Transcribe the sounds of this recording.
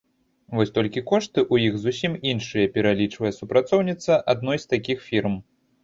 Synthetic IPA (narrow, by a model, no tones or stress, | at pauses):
vɔsʲt̪ɔlʲkʲikɔʂt̪ɨʔujixzusʲiminʂɨjɐpʲɛɾalʲit͡ʂvɐjɛsupɾat̪sɔwnʲit̪sɐʔad̪̚nɔjst̪akʲixfʲirm